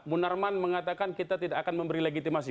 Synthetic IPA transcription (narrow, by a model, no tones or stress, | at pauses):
munarmanməŋat̪akankit̪at̪idakːakanməmbəɾileɡit̪imas̬i